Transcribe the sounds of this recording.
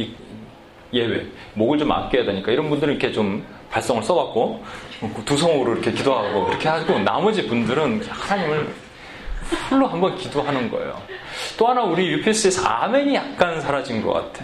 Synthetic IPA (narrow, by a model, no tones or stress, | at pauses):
i | je̞we̞moɡɯɭt͡ɕoma̰p̚k͈ejade̞ɲik͈aiɾʌnbundɯɾɯnikʰe̞t͡ɕom | paɭs͈ʌŋɯɭs͈ʌwak̚k͈o | tusʰʌŋɾoiɾʌkʰe̞kidoɦaɡokɯɾʌkʰe̞ɦaɡona̰mʌd͡ʑibundɯɾɯnhanaɲimɯɭ | pʰuɭːoɦambʌnkidoɦanɯnɡʌ̰ḛjo̰t͈oɦanauɾijupʰis͈ɯesʰa̰meɲijak̚k͈ansʰaɾad͡ʑinɡʌ̰k͈a̰tʰe